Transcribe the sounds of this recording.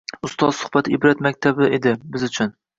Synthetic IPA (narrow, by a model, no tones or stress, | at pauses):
ʊst̪ɒzsʊ̥hbat̪ʰɪɪbɾat̪makʲt̪ʰabɪed̪ɪbɪzʊt͡ʃʰʊn